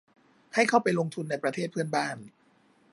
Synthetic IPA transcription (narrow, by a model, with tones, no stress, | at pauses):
ha˥˩jkʰa˥˩wpa˧jlo˧ŋt̪ʰu˧nːa˧jpɾa˧t̪ʰeː˥˩pʰɯ˥˩ənbaː˥˩n